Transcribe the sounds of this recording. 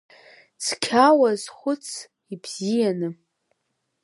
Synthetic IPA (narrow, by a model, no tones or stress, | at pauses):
t͡sʰkʲʰawazχʷʊt͡sʰ | ibz̥ijanɨ